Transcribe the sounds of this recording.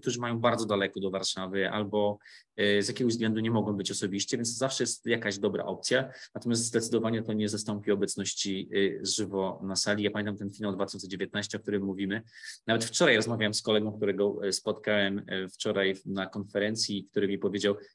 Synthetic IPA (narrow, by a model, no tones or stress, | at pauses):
k̚t̪uʐɘmajɔ̃w̃baɾd̪zɔd̪alɛkɔd̪ɔvaɾʂavɘʔa̰lbɔ | zjakʲɛɡɔvzɡlɛnd̪uɲɛmɔɡɔ̃w̃bɘt͡ɕɔsɔbʲiɕt͡ɕɛvʲjɛnst̪ɔzafʂɛjɛst̪jakaʑd̪ɔbɾa̰ʔɔp̚t̪sʲjanat̪ɔmʲast̪zd̪ɛt̪sɘd̪ɔvaɲɛt̪ɔɲɛzast̪ɔmpʲiɔbɛt̪snɔɕt͡ɕiʐɘvɔnasalʲijapamʲɛnt̪̬amt̪ɛnfʲinawd̪vat̪ɪ̥ɕɔnsɛd͡ʑevʲjɛt̪naɕt͡ɕɛɔkt̪uɾɘmːuvʲimɘnavɛt̪ft͡ʂɔɾajɾɔzmavʲjawɛmskɔlɛɡɔ̃w̃kt̪uɾɛɡɔspɔt̪kawɛmft͡ʂɔɾajnakɔnfɛɾɛnt̪sʲjik̚t̪uɾɘmʲipɔvʲjed͡ʑaw